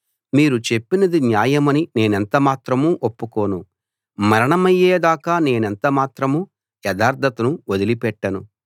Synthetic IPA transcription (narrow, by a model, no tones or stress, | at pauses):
miːɾut͡ʃe̞pːinɐd̪injaːjɐmɐnine̞ːnent̪ɐmaːt̪ɾɐmuːʔopːuko̞ːnu | mɐɾɐɳɐmɐjːeːd̪aːkaːne̞ːnent̪ɐmaːt̪ɾɐmuː | jɛd̪ʱaːɾd̪ʰʱɐt̪ɐnuod̪ilipɛʈːɐnu